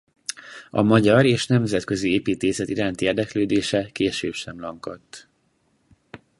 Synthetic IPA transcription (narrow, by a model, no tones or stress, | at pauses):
ɒ̰mɒɟɒɾeːʃnɛmzɛt̪kø̞zieːpiːt̪eːsɛt̪iɾaːnt̪ieːrd̪ɛkløːd̪eːʃɛkeːʃøːpʃɛmlɒŋkot̪ː